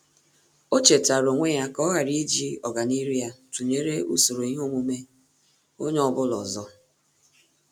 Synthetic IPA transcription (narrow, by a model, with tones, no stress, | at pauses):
o˦t͡ʃe˨ta˨ɾo˨ŋʷe˦ja˦kɔ˦ɣa˨ɾi˦d͡ʒi˦ɔ˨ɡa˨ni˦ɾi˦ja˦tu˨ɲe˦ɾe˦ṵ˦so˨ɾo˨i˦ɦo˦mu˦me˦ | o˦ɲ˦ɔ˦bʊ˦lɔ˨zɔ˦